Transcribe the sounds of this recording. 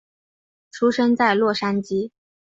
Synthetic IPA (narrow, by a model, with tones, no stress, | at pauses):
ʈ͡ʂʰu˥ʂə˥ŋt͡sa˥˧ɪlwɔ˥˩ʂa˥nt͡ɕi˥